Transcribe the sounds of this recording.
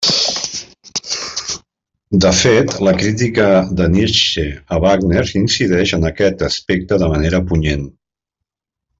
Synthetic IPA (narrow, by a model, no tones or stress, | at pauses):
d̪əfet̪ləkɾit̪̬ikəd̪əniʃeəβaɡneɾinsiðɛʃənəkɛt̪əspek̚t̪əðəməneɾəpuɲen